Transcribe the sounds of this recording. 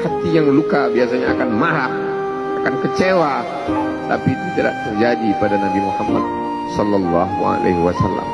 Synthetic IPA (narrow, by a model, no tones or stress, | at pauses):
hat̪ijaŋlukabiasaɲaakanmaɾah | akankət͡ʃewa | t̪a̰pit̪it̪ida̰ʔ̚t̪ərd͡ʒadipadanabimuhamːa̰t̪̚ | sɔlːalːaɦua̰lʔḛɦiwasalːa̰m